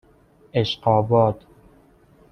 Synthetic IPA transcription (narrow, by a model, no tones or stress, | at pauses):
eʃqɒːbɒːd̪̥